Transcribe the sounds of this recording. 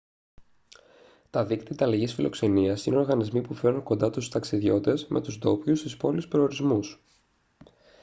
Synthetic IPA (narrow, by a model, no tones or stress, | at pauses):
t̪ɐðikt̪it̪ɐlɐʝisfilʔo̞̰kse̞niɐsineo̞ɾɣɐnizmipufe̞ɾnuŋko̞nd̪ɐt̪ust̪ɐksiðʝo̞t̪e̞zmʔe̞̰t̪uzd̪o̞pçust̪ispo̞lispɾooɾizmus